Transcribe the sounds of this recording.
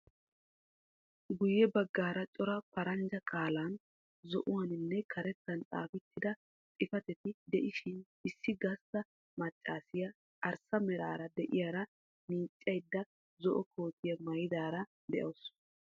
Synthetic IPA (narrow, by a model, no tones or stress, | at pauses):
ɡʊjːɛbɐɡːaːɾɐt͡ʃʼɔɾɐpɐɾɐnd͡ʒɐkʼaːlaːn | zɔʔʊwɐnɪnːɛkʰɐɾɛt͡s̪ːɐnt͡sʼa̰ːfɛt̪ʰːɪd̪ɐ | tʼɪfɐt̪ɛt̪ɪd̪ɛʔɪʃɪn | ɪsːɪɡɐst̪ːɐ | mɐt͡ʃʼːaːsɪjɐ | ʔɐɾsɐmɛɾa̰ːɾɐd̪ɛʔɪjaːɾɐ | miːt͡ʃʼːɐjd̪ːɐ | zɔʔɔkʰo̞ːt̪ɪjɐmɐjɪd̪aːɾɐ | d̪ɛʔɐws